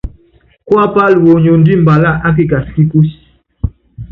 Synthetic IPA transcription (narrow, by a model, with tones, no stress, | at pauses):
kwa˦pa˦˨lwo˨ɲo˨n˦di˦m˨ba˨la˦ʔa˦k̬i˦˨ka˨ski˦ku˦s